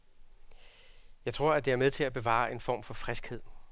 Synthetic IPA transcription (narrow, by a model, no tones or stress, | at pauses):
jɑ̈ɪt͡sʰʁo̝ɐ̰æd̥e̝æɐmeð̞ˠt͡sʰe̝læb̥e̝ʋɑ̰̈ːe̝nfɒ̰ːmfɒ̽fʁɛsɡ̥he̝ð̞̰ˠ